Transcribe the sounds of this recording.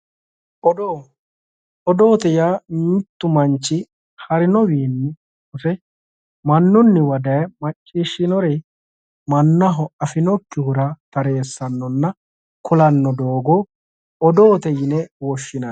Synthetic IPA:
ʔɔdo | ɔd̪o̞ːt̪ɛjaːmɪt̪ːʊmɐnt͡ʃːɪ | hɐɾɪnɔwiːnːɪ | ʊsɛ | mɐnːʊnːɪwɐd̪ɐjmɐt͡ʃʼːiːʃːɪnɔɾɛ | mɐnːɐɦɔɐfɪnɔkːɪhʊɾɐt̪ɐɾe̞ːsːɐnːɔnːɐ | kʰʊlɐnːɔd̪oːɡɔ | ɔd̪oːt̪ɛjɪnɛwɔʃːɪnɐ

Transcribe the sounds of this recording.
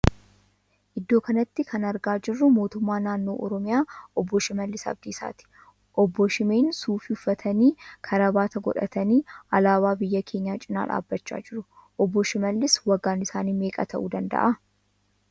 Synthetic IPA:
ʔɪd̪ːo̞ːkɐnɐt̪ːɪkʰɐnɐɾɡaːd͡ʒɪrːʊmo̞ːt̪ʊmːaːnaːnːo̞ːʔɔɾɔmɪjaːɔbːɔʃɪmɐlːɪsɐ̰bd̪iːsa̰ːt̪ɪ̥ | ʔɔbːɔʃɪmeːnsuːfiʊfːɐt̪ʰɐniːkʰɐɾɐbaːt̪ɐɡɔ̰ᶑɐ̰t̪ɐniːʔɐlaːwaːbɪjːɐkʰe̞ːɲːaːt͡ʃʼɪna̰ːᶑa̰ːbːɐt͡ʃːa̰ːd͡ʒɪɾʊʔɔbːɔʃɪmɐlːɪswɐɡːaːnɪsaːniːme̞ːkʼɐ̰t̪ʰɐ̰ʔuːd̪ɐnd̪ɐ̰ʔɐ

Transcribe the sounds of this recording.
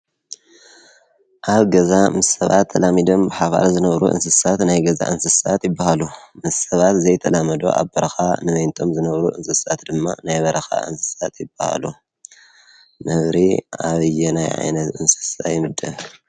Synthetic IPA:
ʔaβɡɐzamɨssɐβa̰t̪ʰːɐlamid̪o̞mbɨħaβa̰ɾzɨnɐβɾṵʔɨ̰nsɨsat̪najɡɐza̰ʔɨnsɨsat̪jɪbːahalumɨssɐβat̪zɐjt̪ʰɐlamɐd̪o̞̰ʔa̰βbɐɾɐxanɨβɐjnt̪ʰo̞mzɨnɐβɾuʔɨnsɨsat̪d̪ɨmːa̰najβɐɾʔɐxa̰ʔɨ̰nsɨ̥sat̪jɪbːaha̰lu | nɐβɾiaβɨjɛnajʕa̰jnɐt̪ɨnsɨ̥sajɪmɨd̪ːɨ

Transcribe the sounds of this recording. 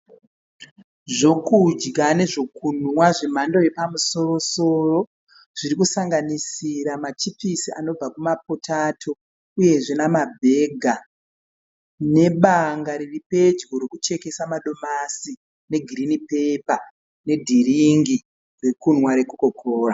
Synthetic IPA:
ʐo̞kud͡ʒɡane̞ʐo̞kunwaʐim̤ando̞je̞pamuso̞ro̞so̞ro̞ | ʐ̥iɾikusaŋɡanisiɾamat͡ʃipisiano̞b͡vakumap̚otʰatʰo̞ | uje̞ʐenamabʱe̞ɡʱa | ne̞ɓaŋɡaɾiripe̞d͡ʒɡoɾekut͡ʃe̞ke̞samaɗo̞masi | ne̞ɡʱirinipe̞pa | ne̞dʱiriŋɡi | re̞kun̤waɾe̞kukokʰoːra

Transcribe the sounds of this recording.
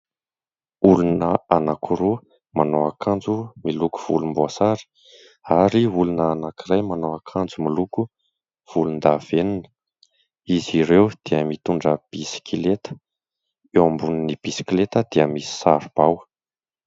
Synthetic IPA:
ulunəanakʰuɾu | manoakʰand͡zumiluku̥v̥ulumboasaɾi̥ | aɾiulunəːnakirajmanoakʰand͡zumiluku | v̥ulund̪av̥enini̥ | iziɾewd̪̥iəmit̪uɳɖ͡ʐəb̥isi̥kʰilet̪ə̥ | ewambunənib̥isi̥kʲilet̪əd̪̥iəmisi̥saɾub̥aw

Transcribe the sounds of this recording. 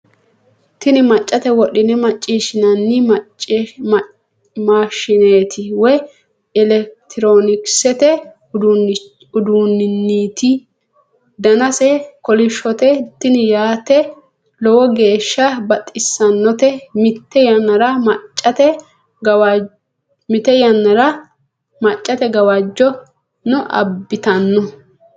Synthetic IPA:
t̪ɪnɪmɐt͡ʃʼːɐt̪ɛwɔɗɪnɛmɐt͡ʃʼːiːʃɪnɐnːɪmt͡ʃ | maːʃɪneːt̪ʰɪwɔj | ɪlɛk̚t̪ʰɪɾoːnɪksɛt̪ɛ | ʊd̪unːɪnːiːt̪ɪ | d̪ɐnɐsɛkɔlɪʃɔt̪ɛt̪ːɪnjaːt̪ɛ | lɔwɔɡe̞ːʃːɐbɐt̪ʼːɪsːɐnːɔt̪ɛmɪt̪ːɛjɐnːɐɾɐmɐt͡ʃʼːɐt̪ɛ | ɡɐw | mɪt̪ɛjɐnːɐɾɐ | mɐt͡ʃʼːɐt̪ɛɡɐwɐd͡ʒːɔ | nʊʔɐ̰bːɪt̪ɐnːɔ

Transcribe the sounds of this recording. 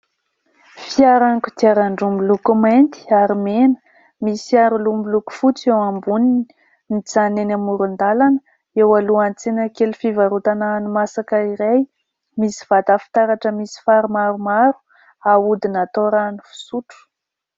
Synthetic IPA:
fiaɾaŋkut̪iaɾaɳɖ͡ʐumbilukumant̪i̥aɾimenə̥ | misaɾulumbiluku̥fut͡sewambunini | nit͡sanenamuɾund̪alanə | ewaluant͡senəkelufivaɾut̪anaːnumasakaiɾaj | misi̥v̥at̪afi̥t̪aɾaʈ͡ʂəmisi̥faɾumaɾumaɾu̥ | aud̪inat̪oɾanifi̥suʈ͡ʂu̥

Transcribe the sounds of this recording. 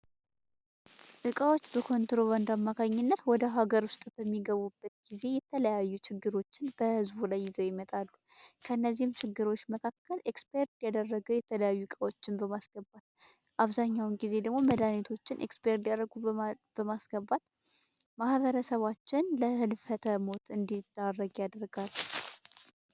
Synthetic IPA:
ʔɨkʼəwo̞t͡ʃːbəkʰo̞nt̪ɾo̞βand̪amːakʰaɲːɪnːət̪wɔd̪əɦaɡəɾwʊst̪ʼb̥əmːiɡəβubːət̪ɡ̥ize̞jɛt̪ʰələjajːut͡ʃʰɪɡːɨɾo̞t͡ʃːɪnb̥əhɨzbulajːɪzəwjɪmət̪ʼalːukʰəɨnːəzːihmt͡ʃɪɡːɨɾo̞t͡ʃːməkʰakːəlʔekspʰe̞ɾd̪jad̪ərːəɡəwjɛt̪ʰələjajːukʼəwot͡ʃːɪnbəmasɡ̥əbːat̪̚ | ʔaβzaɲːawnɡize̞d̪əɡmo̞məd̪anet̪ʰo̞t͡ʃːɪnʔḛkspʰeɾd̪jaɾəɡub̥əmasɡəbat̪ | mahβəɾəsəβat͡ʃːɪnləhɨlfət̪ʰəmo̞t̪ɨnd̪id̪arːəɡjad̪ɾɡalːu

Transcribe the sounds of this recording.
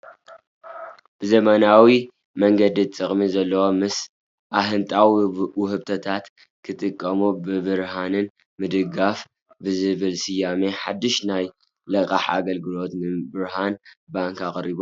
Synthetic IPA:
b̥ɨzɐmɐnawi | mɐŋɡɐd̪it͡sʼɨχʼmizɐlːɐwo̞mɨs | ʔaɦɨnt̪ʼawiwhɨbt̪ʰɐt̪ʰat̪ | kʰɨt̪ʼɨkʼːɐmubɨbɨɾhanɨn | mɨd̪ɨɡaf | bɨzɨβɨlsɨjːame̞ħad̪ːɨʃnaj | lɐkʼaħa̰ɡɐlɡɨlo̞t̪nɨbɨɾhanbaŋkaχʼɾibo

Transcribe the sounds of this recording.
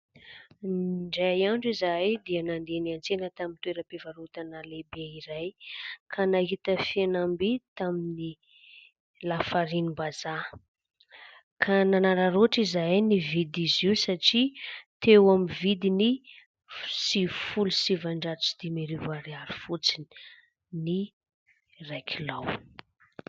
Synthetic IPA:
ɳɖ͡ʐajaɳɖ͡ʐizajd̪ianand̪eniant͡senət̪amint̪weɾəpevaɾut̪analebeiɾajkʰanaɦit̪əfianambit̪amini | lafaɾinibaza | kʰananaɾaɾoʈ͡ʂizajnivid̪iziwsaʈ͡ʂit̪ewamivid̪ini | sifulusivaɳɖ͡ʐat͡si̥d̪̥imeɾivaɾiaɾifut͡sini̥ | ni | rajkʰilaw

